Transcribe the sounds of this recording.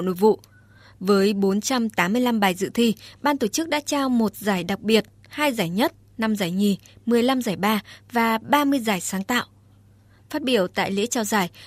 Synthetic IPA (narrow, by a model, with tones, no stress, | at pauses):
no̰˧˨jvṵ˧˨ | vəː˨˦jɓo˨˦nt͡ɕa˧mt̪aː˨˦mːɨ˧əjla˧mɓaː˨˩jzɨ̰˧˨t̪ʰi˧ɓaː˧nt̪o˧˩t͡ɕɨ˦˥k̚ɗa̰ː˧˥t͡ɕaː˧wmo˨˩t̚zaː˧˩jɗa˨˩k͡p̚ɓi˨˩ət̚ | haː˧jzaː˧˩jɲə˦˥t̚ | na˧mzaː˧˩jŋi˨˩mɨ˨˩əjla˧mzaː˧˩jɓaː˧vaː˨˩ɓaː˧mɨ˧əjzaː˨˩jsaː˨˦ŋt̪a̰ː˧˨wʔ | faː˦˥t̚ɓi˧˩əwt̪a̰ː˧˨jlḛ˧˥t͡ɕa˧wzaː˧˩j